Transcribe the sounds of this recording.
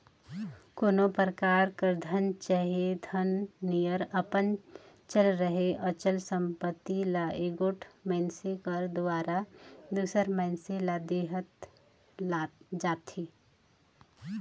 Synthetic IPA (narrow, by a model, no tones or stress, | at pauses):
koːnopəɾəkaːɾkəɾd̪ʱənt͡ʃaɦed̪ʱənːijəɾəpən | t͡ʃəlɾəɦeʔət͡ʃəlsə̃mpət̪ːilaʔeɡoːʈʰmənsekəɾd̪ʊaːɾad̪usəɾməɪnselad̪eːɦət̪ː | d͡ʒaːt̪ʰi